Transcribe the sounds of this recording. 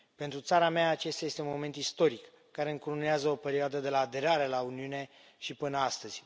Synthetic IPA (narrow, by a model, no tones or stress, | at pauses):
pent̪ɾut̪saɾameaːt͡ʃe̞st̪aje̞st̪eunmo̞me̞nt̪ist̪o̞ɾikːaɾe̞ɨŋkuɾuneazəo̞pe̞ɾioad̪əd̪e̞laːd̪e̞ɾaɾe̞launiune̞ | ʃipɨnəast̪əz̥ʲ